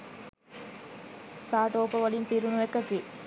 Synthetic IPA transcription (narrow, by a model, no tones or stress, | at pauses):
saːʈoːpəʋɐlimpiɾunuʋekːɐt̪i